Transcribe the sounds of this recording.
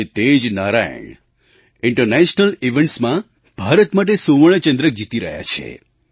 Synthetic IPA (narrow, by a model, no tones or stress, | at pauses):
t̪ed͡ʒnaɾajə̰ɳ | ɪɳʈəɾnɛʃnəliʋeɳʈsmã | b̥ʱaɾət̪maʈ̬esoʋəɭət͡ʃə̃nd̪ɾək̚d͡ʒit̪iɾəɦja̰t͡ʃʰḛ